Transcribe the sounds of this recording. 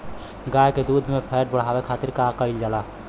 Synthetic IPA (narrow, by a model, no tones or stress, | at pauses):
ɡaːjked̪uːd̪ʱmẽpʰɛːʈ̚bəɽ̤aːwekʰaːt̪ɪɾkakəɪld͡ʒalaː